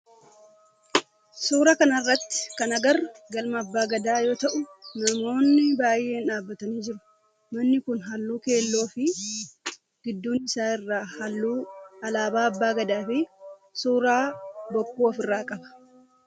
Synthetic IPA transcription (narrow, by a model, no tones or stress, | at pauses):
suːɾɐkɐnɐrːɐt̪ːɪ̥kɐnɐɡɐrɡɐlmɐːbːaːɡɐd̪aːjo̞ːt̪ɐʔʊmɪɾmo̞ːnːɪbaːje̞ːnaːbːɐt̪ɐniːd͡ʒɪɾʊ̥ | mɐnːɪkʊnɦɐlːuːke̞ːlːo̞ːfɪ | ɡ̥ɪd̪ːuːnɪsaːɪrːaːhɐlːuːɐlaːbaːɐbːaːɡɐd̪aːfɪsuːɾaːbɔkːuːɔfɪrːaːkʼɐbɐ̥